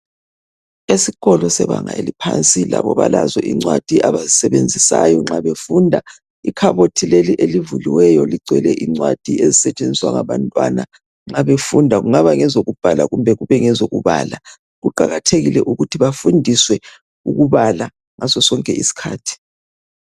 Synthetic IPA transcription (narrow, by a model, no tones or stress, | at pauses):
esiɣɔlɔsɛβaŋaelipʰant͡sʼilaβɔβalazɔʔiŋ͡ǀwad̥ʱiʔaβazisɛβend͡zʱisajɔŋ͡ǁaβefundʱa | ikʰaβotʰileliʔelivuliwɛjɔliǀwɛlɛʔiŋ͡ǀwad̥ʱiezisɛt͡ʃʼend͡zʱiswaŋaβantʼwa̰na | ŋ͡ǁaβefundʱaɣuŋaβaŋɛzoɣub̥ʱalaɣumbʱɛɣuβɛŋɛzoɣṵβa̰la | ɣuǃaɣatʰeɣilɛʔuɣutʰiβafundʱiswɛ | ṵɣuβala | ŋasɔsɔŋkʼɛḭsi̥kʰaːtʰi̥